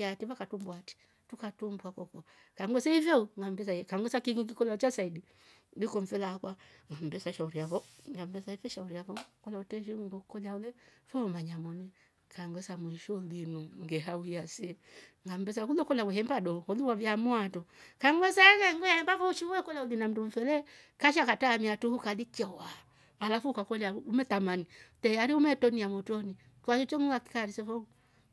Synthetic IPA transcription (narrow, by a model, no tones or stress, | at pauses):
atiβakatumbwati̥ | tukatumbwakɔkɔ | kaŋɡwɔsaivɛuŋɡam̩bɛsakaŋɡwɔsakiŋik̬ikɔlat͡ʃasaidi | likɔɱ̩fɛlakwaŋɡam̩bɛsaʃauɾiavɔŋɡam̩bɛsaifɛʃauɾiavɔkɔlautɛʃiŋɡɔkɔlaulɛfɔmaɲamɔnɛ | kaŋɡɛsamwiʃɔlinuŋɡɛɦauiasɛ | ŋɡam̩bɛs̬akulɔkɔlawɛhɛmbadɔɔluwavjamuatɔkaŋɡwɛsaɣɛŋɡɔjahɛmbafɔuʃiwɛkɔlaulinam̩dum̩fɛlɛ | kaʃ̬akatamiatuhukadit͡ʃɔwa | alafukakɔlaumɛtamanitɛaɾiumɛtɔniamɔtɔni | kwaʃɔt͡ʃɔŋwaki̥kaɾisɛfɔ